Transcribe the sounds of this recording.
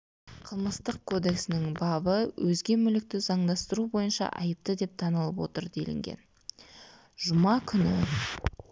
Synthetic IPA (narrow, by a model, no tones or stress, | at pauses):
qʰəlˠməst̪əq̚kʰo̞d̪e̞ksɪnɪŋbɑbəwʔɵzɡʲe̞mʏlɪk̚t̪ɪzɑɴd̪ɑst̪əɾubo̞jənʃɑ̰ʔɑ̰jəp̚t̪əd̪e̞p̚t̪ʰɑnəlˠəpwo̞̰t̪əɾd̪e̞̰lɪ̰ŋɡʲe̞̰n | ʒ̥ʊmɑkʲʰʏnɪ̰